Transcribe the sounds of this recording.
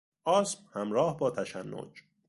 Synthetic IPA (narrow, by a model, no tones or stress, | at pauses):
ʔɒːsmhæmɾɒːhbɒːt̪ʰæʃænːo̰d͡ʒ